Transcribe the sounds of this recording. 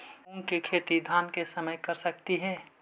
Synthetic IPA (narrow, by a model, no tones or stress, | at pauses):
ʊŋkikʰeːt̪id̪ʱaːnkesəməjkəɾsək̚t̪iɦɛː